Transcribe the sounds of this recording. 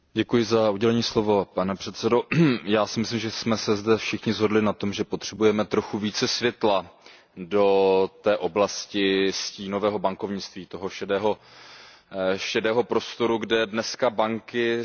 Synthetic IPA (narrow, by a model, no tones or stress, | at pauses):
ɟɛkujɪzauɟɛlɛɲiːslo̞vo̞panɛpr̝̥ɛt̪sɛdo̞jaːsɪmɪslɪmʒɛsmɛsɛzdɛfʃɪxɲɪzɦo̞dlɪnat̪o̞mʒɛpo̞t̪r̝̥ɛbujɛmɛt̪ɾo̞xuviːt͡sɛsvjɛt̪la | do̞t̪ɛːʔo̞blascɪsciːno̞vɛːɦo̞baŋko̞vɲɪt͡st̪viːt̪o̞ɦo̞ʃɛdɛːɦo | ʃɛdɛːɦo̞pɾo̞st̪o̞ɾuɡdɛdnɛskabaŋkɪ